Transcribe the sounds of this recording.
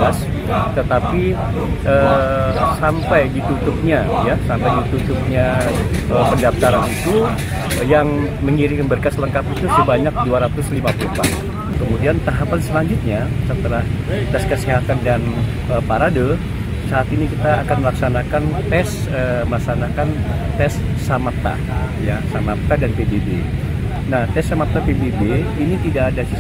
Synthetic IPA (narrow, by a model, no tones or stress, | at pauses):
as | t̪ət̪api | ʔə | sampajdit̪ut̪ʊp̚ɲajasampajdit̪ut̪ʊp̚ɲaəpəndaft̪aɾanit̪u | jaŋ | məŋiɾiŋənbərkasləŋkapit̪usəbaɲak̚duaɾat̪ʊslimapulupa̰ | kəmudiant̪aɦapansəlaɲd͡ʒʊt̪̚ɲasət̪əlaht̪ɛskəsiɦat̪andan | əpaɾado | saːt̪inikit̪aːkanməlaksanakant̪ɛs | əməlaksanakant̪ɛsː | amap̚t̪a̰ | jasamap̚t̪adanpebebḛ | naht̪ɛsːamat̪apebebeinit̪idaːdasi